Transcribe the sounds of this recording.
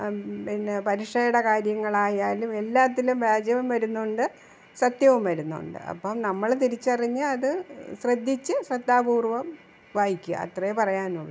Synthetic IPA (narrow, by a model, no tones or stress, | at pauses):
pinːepɐɾiʂejɐɽɐkaːɾjɐŋːɐɭaːjaːlume̞lːaːt̪ːilumɾaːd͡ʑjɐʋumʋɐɾunːuɳɖɨ | sɐt̪jɐʋumʋɐɾunːṵɳɖɨ̰ʔɐ̰pːoːmnɐmːɐɭt̪iɾit͡ɕːɨɐriɲːɨɐðɨɕrɐd̪ʱːit͡ɕːɨɕrɐd̪ːaːbuːrʋɐm | ʋaːjikʲːuɐ̰ɐ̰t̪rɐjepɐrɐjaːnuɭːɐ̰